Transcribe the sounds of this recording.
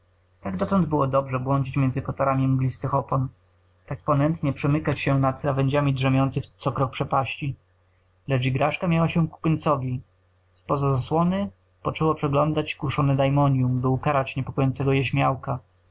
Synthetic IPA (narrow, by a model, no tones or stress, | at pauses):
t̪aɡd̪ɔt̪ɔnd̪bɘwɔd̪ɔbʐɛbwɔɲd͡ʑit͡ɕmʲjɛnzɘkɔt̪aɾamʲiɛ̃ŋɡlʲist̪ɛxɔpɔn | t̪ak̚pɔnɛnt̪ɲɛpʂɛmɘkat͡ɕɕɛnat̪ɾavɛɲd͡ʑamʲidʐɛmʲjɔnt̪sɘxt̪sɔkɾɔk̚pʂɛpaɕt͡ɕi | lɛt͡ʂiɡɾaʂkamʲjawaɕɛku̥pɘɲt̪sɔvʲi | spɔzazaswɔnɘ | pɔt͡ʂɛwɔpʂɛɡlɔnd̪at͡ɕkuʂɔnɛd̪ajmɔɲjumbɘukaɾat͡ɕɲɛpɔkɔjɔnsɛɡɔjɛɕmʲjawka